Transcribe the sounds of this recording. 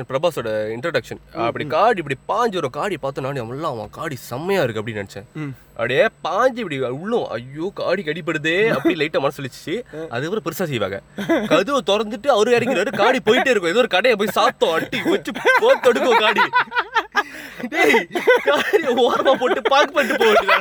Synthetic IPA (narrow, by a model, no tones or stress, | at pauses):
pɾɐbaːsoːɽɐɪɳʈɾɐɽɐkʂɐnɐpːɐɽikaːɽipːɐɽipaːɲd͡ʒʋɐɾõkaːɽipaːɾt̪ːõnaːniɐʋɐlːãːʋã̰ːkaːɽisɐmːɐjaːɪɾɯkːɐpːɐɽinɐnɛt͡ʃːɛ̰̃ | ʔɐ̰pɐɽɐjeːpaːɲd͡ʒɪpːɐɽiʊɭːʊ̃ʔɐ̰jːoːkaːɽikɐɽɪp̬ːɐɽɯðeːɐpːɐɽilɐɪʈːɐmɐnɐsɐlːɪt͡ʃːɯ̥t͡ʃːɯɐ̰ðɯɐpːɯɾɐ̃pɪɾɯsaːs̬ɛjʋa̰ːŋɡɐ̰kɐðɯʋɯt̪ɔɽɐɾnd̪ɯʈːɯɐʋɐɾɯeːɾɐkkːɪɾɐɾɯkaːɽipoːjɪʈːɯɪɾɯkːʊ̃ɛðoːɾɯkɐɽɐjɐ̃p̬oːjisaːp̚t̪õːɐʈːiʋɐt͡ʃːɯpoːt̪ɔɽɯk̬ːõkaːɽi | eːkaːɽioːɐɾɐmaːpoːʈːɯpaːkɯpɐʈːɯpoːɯ